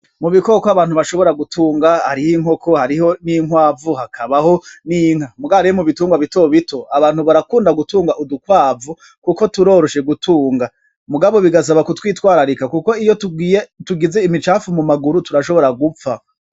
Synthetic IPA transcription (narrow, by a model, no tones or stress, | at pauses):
muβiko̞ːkoaβaːn̥huβaʃo̞βo̞ɾaɡutʰuːŋɡaha̰ɾihiŋho̞kʰohaɾiho̞niŋwaːvuhakʰaβaho̞niŋhamuɡaɾijomuβituːŋɡwaβitoβitʰo̞aβaːnhuβaɾakuːndaɡutuːŋɡaʔudukwaːvu | kuko̞tuɾo̞ːɾo̞ʃe̞ɡutʰuːŋɡa | muɡaβo̞βiɡas̬aβakutwiːtwaːɾaɾikakuko̞ijotɡijetuɡize̞imit͡ʃaːfumumaɡuɾutuɾaʃo̞βo̞ɾaɡup͡fa